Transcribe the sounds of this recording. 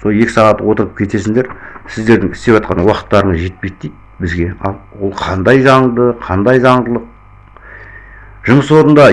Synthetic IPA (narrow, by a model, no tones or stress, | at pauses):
solˠje̞kʲɪ̥sɑʁɑt̪wo̞t̪əɾəp̚kʲʰe̞t̪e̞s̬ɪŋd̪e̞ɾsɪzd̪e̞ɾd̪ɪŋɪst̪e̞pʒɑt̪qɑnwɑqə̥t̪ːɑɾəɴəzʒe̞t̪̚pe̞jt̪̚t̪ːijt̪̚ | bɪzɡʲe̞ɑ̰lˠwo̞lˠqʰɑnd̪ɑjzɑɴd̪əqʰɑnd̪ɑjzɑɴd̪əlˠəq̚ | ʒəməso̞ɾənd̪ɑ